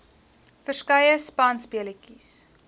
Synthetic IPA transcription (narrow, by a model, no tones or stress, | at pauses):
fərskɐjəspɐnspiəlikis